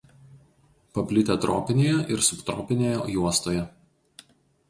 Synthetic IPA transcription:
pɐpʲlʲɪt̪ʲɛt̪ɾoːpʲɪnʲeːjɛʔɪɾsʊpt̪ɾo̰ːpʲɪnʲeːjɛjuɔst̪oːjɛ

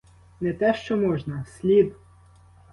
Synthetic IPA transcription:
nɛt̪ɛʃt͡ʃɔmɔʒnɐsʲlʲid̪

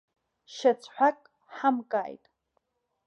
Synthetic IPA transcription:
ʃat͡sʰħʷᶣakʼ | ħamkʼaːjtʼ

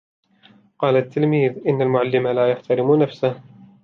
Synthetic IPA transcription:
qɑːlat̪ːɪlmiːðʔɪnːalmʊʕalːɪmalaːjaħt̪aɾɪmunafsah

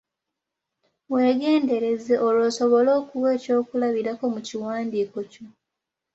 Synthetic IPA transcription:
we̞ːɡe̞ːnde̞ɾe̞zeʔoloːso̞βo̞lo̞ːkuwe̞ːco̞ːkulaβiɾako̞muciwaːndiːko̞co̞

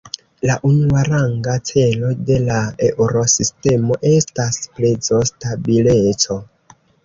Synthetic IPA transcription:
laʔunuaɾaŋɡat͡se̞lo̞de̞laeʔuɾo̞siste̞mo̞ʔe̞stasplezo̞stabilet͡so̞

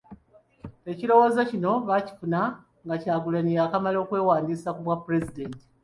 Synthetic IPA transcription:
e̞cilo̞woːzacino̞βaci̥funa | ŋɡacaːɡulanijaːkamalo̞ːkwe̞ːwaːndiːsakuβwapːuɾe̞zide̞nti̥

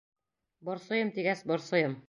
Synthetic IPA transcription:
bɒ̆ɾsɤ̆jɤmt̪iɡæsbɒ̆ɾsɤ̆jɤm

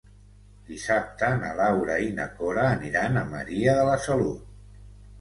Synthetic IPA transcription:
d̪isap̚t̪ənəlawɾəinə̰koɾəːniɾanəmə̰ɾiəðələsəlut̪̚

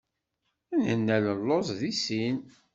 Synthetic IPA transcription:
ænənːæləlːozˤðisin

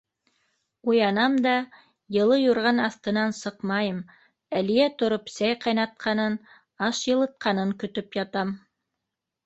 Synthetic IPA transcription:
ujɑnɑmd̪ɑ | jɤ̆lˠɤjuɾʁɑnɑθt̪ɤ̆nɑnsɤqmɑjɤm | ælijæt̪ŏɾopsæjqɑjnɑt̪̚qʰɑnɤn | ɑʃjɤ̆lˠɤ̆t̪̚qʰɑnɤŋkɵ̆t̪ɵpjɑt̪ɑm

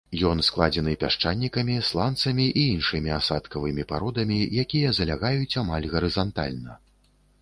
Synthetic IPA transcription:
jɔnsklˠad͡zʲɛnɨpʲaʂt͡ʂanʲːikɐmʲislˠant̪sɐmʲiʔiinʂɨmʲiasat̪kɐvɨmʲipaɾɔd̪ɐmʲijakʲijɐzɐlʲaɣajut͡sʲamalʲɣɐɾɨzant̪a̰lʲnɐ

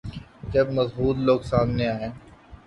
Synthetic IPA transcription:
d͡ʒɐbmɐzbuːt̪loːɡsaːmneaːẽː

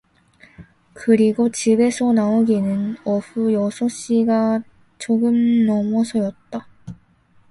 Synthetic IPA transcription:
kɯɾiɡot͡ɕibe̞sʰʌnaoɡinɯnʌɸujʌsʰoɕ͈iɡa | t͡ɕoɡɯmnʌmʌsʰʌjʌt̚t͈a

